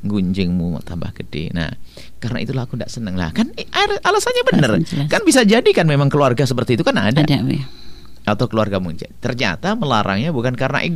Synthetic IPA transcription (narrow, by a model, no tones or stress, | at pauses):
ŋɡuɲd͡ʒɪŋmuma̰t̪amba̰hɡədɪ̰na̰h | kaɾəna̰ḭt̪ulakunda̰ʔsənəŋla̰hkanaɪralasanɲabənərkanbisad͡ʒadikanmemaŋkəluarɡasəp̬ərt̪iːt̪ukana̰dada | at̪awkəluarɡamuɲt͡ʃa̰t̪ərɲa̰t̪aməlaɾa̰ŋɲabukankaɾəna̰ʔi